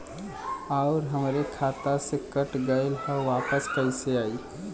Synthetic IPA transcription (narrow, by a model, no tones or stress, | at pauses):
aʊɾɦəmɾekʰat̪asekəʈɡəɪlhəʋapəskəɪseaːi